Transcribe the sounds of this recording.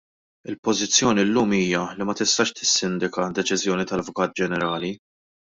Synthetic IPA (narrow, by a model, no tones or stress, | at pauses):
ɪlpɔzɪt͡sːjɔːnilːuːmiːjɐlimɐt̪ɪst̪ɐʃt̪ɪ̥sːɪnd̪ɪkɐd̪ɛt͡ʃɪzjɔːnit̪ɐvʊkɐːt̪̚d͡ʒɛnɛɾɐːli